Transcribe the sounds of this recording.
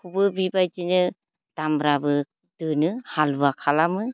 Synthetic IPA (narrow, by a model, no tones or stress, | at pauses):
kʰubɯbibajtinɯ | d̥amɾabɯ | d̥ɯnɯhalbakʰalamɯ